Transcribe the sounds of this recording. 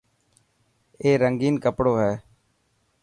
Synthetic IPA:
eːɾəŋɡiːnkəpɽoːɦɛː

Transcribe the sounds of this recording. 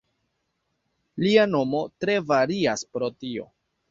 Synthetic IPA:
liano̞mo̞tɾe̞vaɾiaspɾo̞tio̞̰

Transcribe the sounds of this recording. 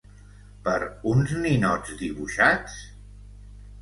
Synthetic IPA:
pəɾunzninɔd͡zd̪iβuʃat͡s

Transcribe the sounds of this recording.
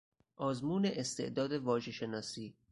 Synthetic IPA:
ʔɒːzmuːneʔest̪e̞̰ʔd̪ɒːd̪e̞vɒːʒe̞ʃe̞nɒːsiː

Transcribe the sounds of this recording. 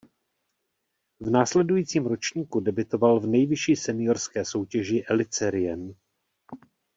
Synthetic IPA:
vnaːslɛdujiːt͡siːmɾot͡ʃɲiːkudɛbɪt̪o̞valvnɛjvɪʃiːsɛnɪjoɾskɛːso̞wcɛʒɪʔɛlɪt͡sɛɾɪjɛn

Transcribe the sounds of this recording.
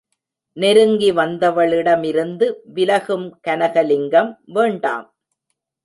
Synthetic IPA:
nɛɾɯŋɡiʋɐnd̪ɐʋɐɭɪɽɐmɪɾɯnd̪ɯʋɪlɐɣɯmkɐnɐɣɐlɪŋɡɐmʋeːɳɖa̰ːm

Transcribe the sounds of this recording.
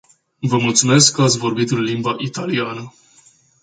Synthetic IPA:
vəmult̪sume̞skːəat̪sʲvo̞rbit̪ɨnlimbaʔit̪alianə

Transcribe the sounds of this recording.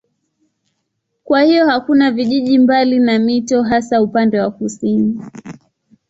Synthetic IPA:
kwahiɔhakunaviʄiʄimbalinamitɔɦasaupandɛwakusini

